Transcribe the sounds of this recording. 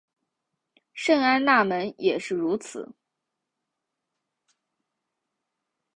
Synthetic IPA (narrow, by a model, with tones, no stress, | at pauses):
ʂɤ˥˩ŋa˥nna˥˩mə˧˥njɛ˨˩ʂɻ̩˥˩ɻu˧˥t͡sʰɹ̩̰˨˩˦